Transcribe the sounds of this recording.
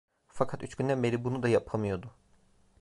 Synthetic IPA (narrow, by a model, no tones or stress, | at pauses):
fakʰat̪yt͡ʃcynd̪ænbe̞ɾibunud̪ajapʰamɯjo̞d̪ʊ